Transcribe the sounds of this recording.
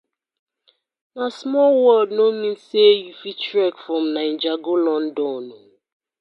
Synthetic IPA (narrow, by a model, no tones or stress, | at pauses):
nasmɔlwɔldnomĩn̩seejufit͡ʃɾɛkfɾɔmnaɪn̩d͡ʒaɡolɔn̩dɔno